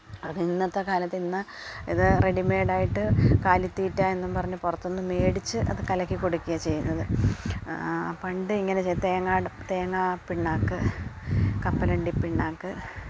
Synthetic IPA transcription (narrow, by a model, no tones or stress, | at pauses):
okːinːɐt̪ːɐkaːlɐt̪ːinːɐ | iðɨreɖimeːɖaːjiʈːɨkaːlit̪ːiːtːaːe̞nːupɐrɐɲːupurɐt̪ːo̞nːɨme̞ːɽit͡ɕːɨʔɐ̰ðɨkɐlɐkʲːikːoɽukʲːuɣɐt͡ɕe̞jːunːɐðɨ | pɐɳɖɨiŋːɐnet͡ɕejt̪eːŋːaːɖt̪eːŋːaːpiɳːaːkːɨ | kɐpːɐlɐɳɖipːiɳːaːkːɨ